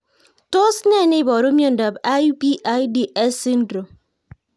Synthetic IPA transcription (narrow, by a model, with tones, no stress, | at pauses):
to˦sne˦˨ni˦˨bɔ˨ɾo˦mjo˦˨n̩˨dɔ˨ba˦jbi˦ʔa˦jdi˦ʔe˦si˦n̩˦dɾo˨m